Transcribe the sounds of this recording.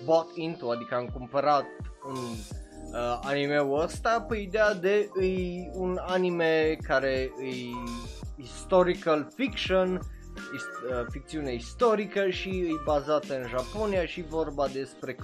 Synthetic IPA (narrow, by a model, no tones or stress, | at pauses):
bakint̪uad̪ikəaɨŋkumpəɾat̪un | animewəst̪apeid̪ead̪e̞ɨjunanimekaɾe̞ɨj | ist̪o̞ɾikəlfikʃon | iəfik̚t̪siune̞ist̪o̞ɾikəʃiɨjbazat̪əɨnʒapo̞niaʃivo̞rbad̪e̞spɾe̞